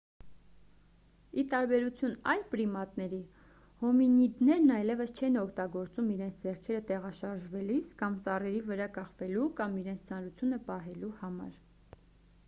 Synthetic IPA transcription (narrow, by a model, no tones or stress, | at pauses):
it̪ɑɾbɛɾut͡sʰjunɑjlpɾimɑt̪nɛɾi | hɔminid̪nɛɾnɑjlɛvəst͡ʃʰɛnɔkʰt̪ɑɡɔɾt͡sumiɾɛnt͡sʰd͡zɛɾkʰɛɾət̪ɛʁɑʃɑɾʒvɛliskɑmt͡sɑrɛɾivəɾɑkɑχvɛlukɑmiɾɛnt͡sʰt͡sʰɑnɾut͡sʰjunəpɑɦɛluhɑmɑ̰ɾ